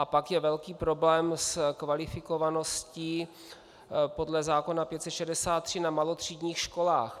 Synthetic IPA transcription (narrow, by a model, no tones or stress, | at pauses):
ʔapakjɛvɛlkiːpɾo̞blɛːmskvalɪfɪko̞vano̞scɪ | po̞dlɛzaːko̞napjɛt̪sɛt̪ʃɛdɛsaːt̪ːr̝̥ɪnamalot̪r̝̥iːdɲiːxʃko̞laːx